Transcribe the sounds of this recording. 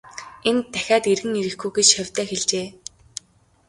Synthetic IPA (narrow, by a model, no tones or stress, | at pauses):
ent̪ʰːæ̥xʲaːt̪eɾɣɘ̆ŋeɾɘ̆xɡujɡet͡ɕxœwʲt̪ʰæːxeɮt͡ɕeː